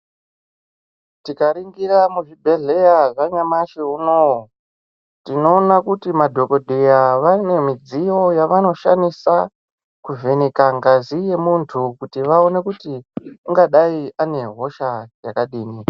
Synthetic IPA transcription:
tikaɾiŋɡiɾamuʐibʱe̞ɮe̞jaʐaɲamaʃeuno | tino̞ːnakutimadʱo̞ko̞dʱejaʋane̞mid͡zijo̞jaʋano̞ʃanisa | kuve̞nekaŋɡazije̞muntʰukutiʋao̞ne̞kutiuŋɡaɗaiane̞ɦo̞ʃajakaɗiːni

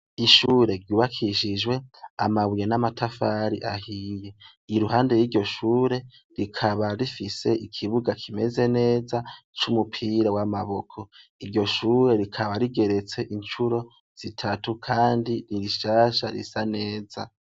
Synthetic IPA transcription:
iʃuːɾe̞ɾɟuːβakʰiʃid͡ʒɡwe̞a̰maβwijenamatʰafaːɾiʔahiːje̞ | iɾuɦaːnde̞jiːɾɟo̞ʃuːɾe̞ | ɾikʰaβaɾifise̞ʔikʰiβuɡakʰime̞ze̞ne̞ːzat͡ʃumupʰiːɾawamaβo̞kʰo̞iɾɟo̞ʃuːɾe̞ɾikʰaβaɾiɡe̞ɾe̞t͡se̞ʔint͡ʃuɾo̞ | z̥itʰatukʰaːndiniɾiʃaːʃaɾḭsane̞ːza̰

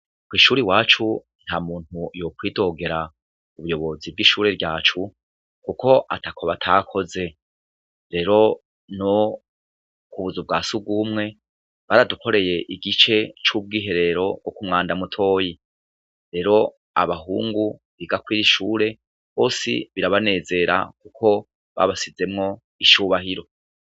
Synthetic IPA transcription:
kwiːʃuːɾiwaːt͡ʃu | n̥hamuːn̥ujokwiːdo̞ːɡe̞ɾa | uβujo̞βo̞zivɡiːʃuːɾe̞ɾɟaːt͡ʃu | kukʰo̞ʔa̰takʰoβatʰakʰo̞ze̞ | ɾe̞ːɾo̞ | no | kuβuzub̚ɡaːsuɡumŋe̞ | βaɾadukʰo̞ɾe̞je̞ʔiɡit͡ʃe̞t͡ʃub̚ɡiːɦe̞ɾe̞ɾo̞ɡwokumŋaːndamutʰo̞ːji | ɾe̞ːɾo̞ | a̰βaɦṵːŋɡu | βiɡakwiːɾiʃuːɾe̞ | ho̞ːsḭβiɾaβane̞ːze̞ɾa̰kukʰo̞ | βa̰βasize̞mŋo̞ | iʃuːβaɦiɾo̞

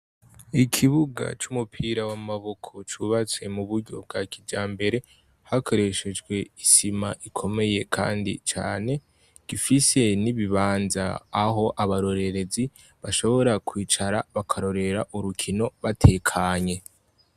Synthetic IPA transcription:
ikʰiβuɡa̰t͡ʃumupʰiːɾawamaβo̞kʰo̞t͡ʃuβat͡swe̞muβuɾɟo̞̰b̚ɡaːkiɟaːmbe̞ɾe̞ | hakʰo̞ɾe̞ʃe̞d͡ʒɡwe̞isimaʔikʰo̞me̞je̞kʰa̰ːndḭt͡ʃa̰ːne̞ | ɡ̥ifise̞niβiβaːnza̰ːɦo̞ʔaβaɾo̞ɾe̞ɾe̞zi | βaʃo̞βo̞ɾakwiːt͡ʃaɾaβakʰaɾo̞ɾe̞ɾaʔuɾukʰino̞βatʰe̞ːkʰaːɲe̞

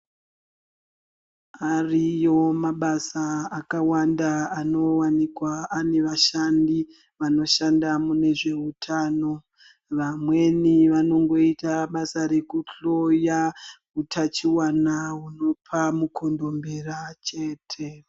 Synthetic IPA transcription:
arijo̞maɓasaːkawandaano̞wanikwaane̞ʋaʃandi | ʋano̞ʃandamune̞ʐe̞utʰaːno̞ | ʋamwe̞niʋano̞ŋɡo̞itaɓasaɾe̞kuɬo̞jakutʰat͡ʃiwanaɦuno̞pʰamukʰo̞ndo̞mbe̞ɾat͡ʃe̞ːtʰe̞

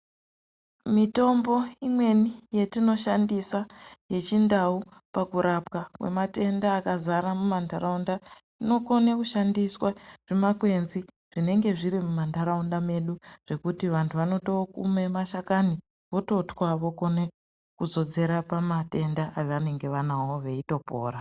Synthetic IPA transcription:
mito̞mbo̞imwe̞nije̞tino̞ʃandisaje̞t͡ʃindau | pakuɾapkakwe̞̰mate̞ndaːkazaɾamumandaɾaunda | ino̞ko̞nekuʃandiswaʐ̥emakwe̞nzi | ʐ̥ine̞ŋɡe̞ʐiɾimumandaɾaundame̞ɗuʐ̥e̞kutiʋantʰuʋano̞to̞kṵme̞maʃakani | ʋo̞to̞twaʋo̞ko̞ne | kuzo̞d͡ze̞ɾapamate̞ndaʔːjeʋane̞ŋɡe̞ʋanawoʋe̞ito̞po̰ːɾa

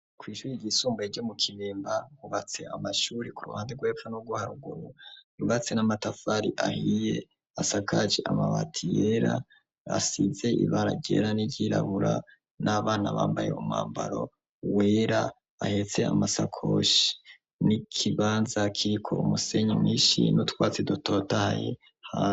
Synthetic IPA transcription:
kwiːʃuːɾiɟisuːmbaeɟo̞mukʰiβiːmbaɾuβat͡se̞a̰maʃuːɾikuɾṵhaːndeɡwe̞ːpfanoɡuhaɾuɡuɾuɾuβat͡se̞namatafaɾiʔahije̞ | asakʰad͡ʒeʔamaβatʰijeɾa̰ | asize̞iβaɾaɟɟeɾaniɟiɾa̰βuɾa | naβaːnaβa̰ːmbaje̞̰uma̰ːmbaɾo̞̰ | we̞ːɾa | ahe̞t͡se̞amasakʰo̞̰ʃi̥ | nikʰiβaːnzakʰiɾikʰo̞̰umuse̞ɲimŋiːʃḭnutwaːt͡seduto̞tahajḛ | ha

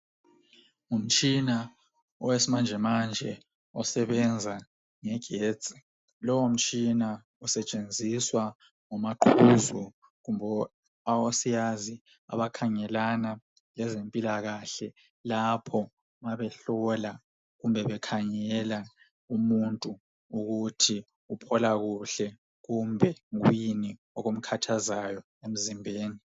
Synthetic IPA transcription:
ŋum̩t͡ʃʼina | ɔwesimand͡ʒʱɛmand͡ʒʱɛ | ɔsɛβɛnd͡zʱa | ŋɛɡ̥ʱeːt͡sʼi̥ | lɔwom̩t͡ʃʼina | ɔsɛt͡ʃʼend͡zʱiswa | ŋɔmaǃʰuzu | ɣumbʱɔ | awosijazi | a̰βakʰaŋɛlana | lɛzempʼilaɣaɬɛ | lapʰɔ | maβɛɬɔla | ɣumbʱɛβɛkʰaŋɛla | umuntʼu | uɣutʰi | upʰɔlaɣuɬɛ | ɣumbʱɛɣw̰jini | ɔɣom̩kʰatʰazajɔ | em̩zimbʱeːni

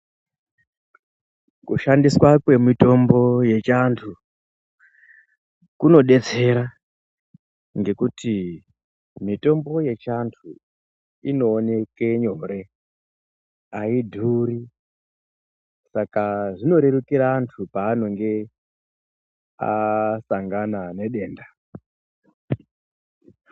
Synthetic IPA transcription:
kuʃandiswakwe̞mito̞mbo̞je̞t͡ʃantʰu | kuno̞ɗe̞t͡se̞ɾa | ŋɡe̞kuti | mito̞mbo̞je̞t͡ʃantʰu | ino̞ːne̞keɲo̞ɾe̞ | aidʱuɾi | sakaʐino̞ɾe̞ɾukiɾaːntʰupaːno̞ŋɡe̞ | a̰saŋɡanane̞ɗe̞ːnda

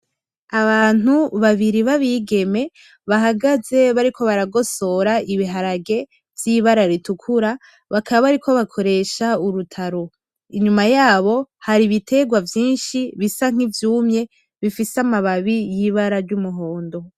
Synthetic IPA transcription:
aβaːn̥uβaβiɾiβaβiːɡe̞me̞ | βaɦaɡaze̞βaɾikʰo̞βaɾaɡo̞so̞ɾaiβiɦaɾaɡe̞ | vjiβaɾaɾitukʰuɾa | βakʰaβaβaɾikʰo̞βakʰo̞ɾe̞ʃauɾutʰaɾo | iɲumajaːβo̞haɾiβitʰe̞ɡwavjiːnʃiβisaŋ̥ivjuːmɲe̞ | βifisamaβaβijiβaɾaɾɟumuɦo̞ːndo̞

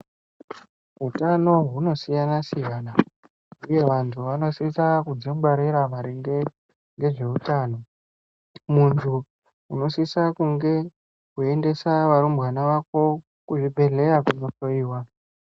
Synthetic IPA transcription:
ɦutano̞ɦuno̞sijanasijana | uje̞ʋantʰuʋano̞sisakud͡zimɡwaɾeɾamaɾiŋɡe | ŋɡe̞ʐe̞utaːno̞ | muntʰu | uno̞sisakuŋɡe̞ | kue̞nde̞saʋaɾumbɣanaʋako̞ | kuʐibʱe̞ɮe̞ɾakuno̞to̞iːwa

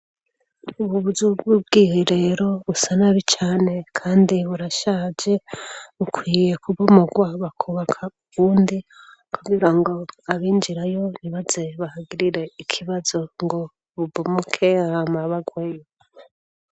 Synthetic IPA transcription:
uβuβuzubɡubɡiːhiɾe̞ɾo̞βusanaβit͡ʃaːne̞kʰaːndiβuɾaʃaːd͡ʒe̞βukʰwiːje̞kʰuβumuɡwaβakʰuβakʰauβuːndi | kuɡiɾaŋɡo̞aβiːnd͡ʒiɾajo̞niβaze̞βahaɡiɾiɾe̞ikʰiβazo̞ŋɡo̞ | βubumukʰehamaβaɡwejo

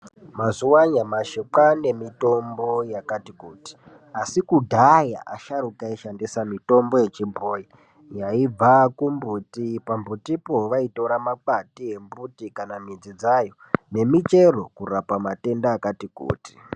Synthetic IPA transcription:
mazuwaɲamaʃeǃane̞mito̞mbo̞jakatikuːti̥ | asikudʱaja̰ʔa̰ʃaɾukaiʃandisamito̞mbo̞je̞t͡ʃimboːji | jaib͡vakumbutipambutipo̞ʋaito̞ɾamak͡patiɦe̞mbutikanamid͡zid͡zajo̞ | ne̞mit͡ʃe̞ro̞̰kurapamate̞ndaːkatikṵːti̥

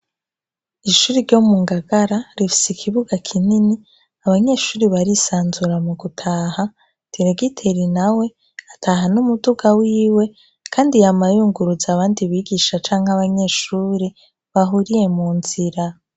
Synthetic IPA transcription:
iʃuːɾiɾɟo̞muːŋɡaɡaɾaɾifi̥sikʰiβuɡakʰinini | aβaɲe̞ːʃuːɾiβaɾisaːnzuɾamuɡutʰaːha | d̥iɾeɡitʰeɾinawe̞ | atʰaɦanumuduɡawiːwe̞ | kʰaːndijamajuːŋɡuɾuzaβaːndiβiːɡiʃat͡ʃaːŋhaβaɲe̞ːʃuːɾi | βaɦuɾije̞muːnziɾa

